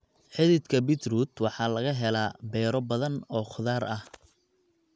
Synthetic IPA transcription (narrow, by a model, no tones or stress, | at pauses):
ħɪðɪt̪kʰɐbɪt̪ruːd̪wɑħɑːlɐɣɐɦɛlaːbɛːɾɔbɐðɐnɔːχʊðaːɾɐh